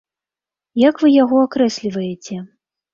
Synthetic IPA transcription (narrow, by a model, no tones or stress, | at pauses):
jakvɨjaɣɔakɾɛsʲlʲivɐjet͡sʲɛ